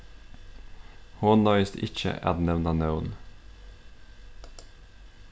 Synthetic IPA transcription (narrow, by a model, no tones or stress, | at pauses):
hoːnd̪ɑɪst̪ɪ̰çə̰ʔæ̰ːd̪nɛʋnɑnɑʊn